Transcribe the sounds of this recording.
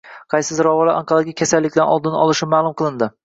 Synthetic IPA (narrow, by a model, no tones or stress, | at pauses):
qʰɑjsɪzɾɒvɒlaʔɑ̰ɴqʰɑlaɡʲɪkʲʰasalːɪkʲlanʔɒ̰lˠd̪ɪnɒlˠɪʃɪmaːlˠʊmqʰɨlˠɪnd̪ɪ